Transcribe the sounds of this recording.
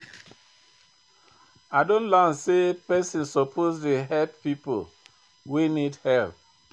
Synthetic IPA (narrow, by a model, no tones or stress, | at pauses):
adõnlansepɛsĩnsɔpʰozleɦɛlppipo̰l | wenidhɛlp̚